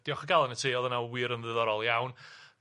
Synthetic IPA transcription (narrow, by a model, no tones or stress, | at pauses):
d̥jɔχəɡalˠɛnətʰiːɔðənawiɾənðɨðɔɾɔlˠjawn